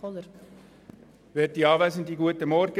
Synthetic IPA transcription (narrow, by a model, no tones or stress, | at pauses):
ɔləɾ | vɛːt̚diːɑːvæɪzəndiːɡuətəmɔɾɡ̥ə